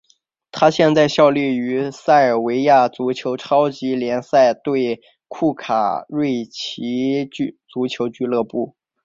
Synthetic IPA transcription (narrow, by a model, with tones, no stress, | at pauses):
t̪ʰa˥ɕjɛ˥˧nt͡sa˥˧ɪɕjɑ˥˧ʊli˥˩y˧˥sa˥˩ɪə˞˨˩we˧˥ɪja˥˩t͡su˧˥t͡ɕʰjo˧˥ʊʈ͡ʂʰɑ˥ʊt͡ɕi˧˥ljɛ˧˥nsa˥˧ɪt̪we˥˧ɪ | kʰu˥˩kʰa˨˩ɻwe˥˩ɪt͡ɕʰi˧˥˧t͡su˧˥t͡ɕʰjo˧˥ʊt͡ɕy˥˧lɤ˥˧pu˥˩